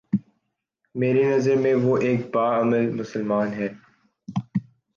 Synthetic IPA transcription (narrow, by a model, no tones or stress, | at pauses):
meːɾenɐzəɾmẽʋoʔeːk̚baːɐməlmʊsəlmaːnɦɛː